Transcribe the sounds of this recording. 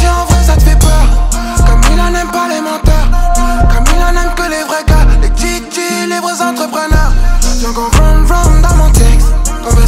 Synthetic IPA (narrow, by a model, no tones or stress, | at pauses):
ɛɑ̃vʁɛ̃sat̪əfɛpœʁkɔmtilɑ̃nɛ̃mpalemɑ̃t̪ɛʁkɔmilɑ̃nɛmkəlevʁɛɡalet̪it̪ilibʁəzɑ̃t̪χəpχənœʁt̪ɔ̃ɡɔ̃fɔnfɔmd̪ɑ̃mɔ̃t̪ɛkskɔ̃v